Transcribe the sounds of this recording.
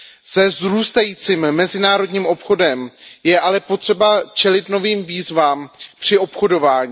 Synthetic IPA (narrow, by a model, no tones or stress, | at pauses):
sɛzɾuːst̪ajiːt͡siːmːɛzɪnaːɾo̞dɲiːmʔo̞pxo̞dɛmjɛʔalɛpo̞t̪r̥ɛbat͡ʃɛlɪt̪no̞viːmviːzvaːmpr̥ɪʔo̞pxo̞do̞vaːɲi